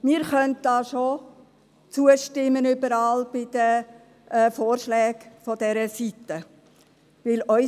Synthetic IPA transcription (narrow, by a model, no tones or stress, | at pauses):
mɪːɾχœnt̚d̥ɑːʃo | t͡suəʃtɪmːənʏbəɾɑːlb̥ɪd̥ə | ʔɛfoːrʃlɛːɡfɔd̥ɛɾəsit̪ːə | ʋɪlœʏ